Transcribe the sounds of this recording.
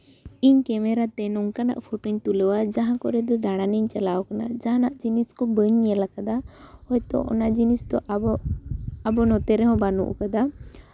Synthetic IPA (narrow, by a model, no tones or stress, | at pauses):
iɲkɛmɛɾat̪ɛnɔŋkana̰ʔpʰoʈoɲt̪uləwad͡ʒaɦãkɔɾɛd̪ɔd̪aɽ̃aniɲt͡ʃalawɔkana̰d͡ʒaɦãnaʔd͡ʒiniskɔbəɲjelakad̪ahɔjt̪ɔ̰ʔɔ̰nad͡ʒinist̪ɔ | abɔnɔt̪ɛɾɛɦɔ̃banṵʔkad̪a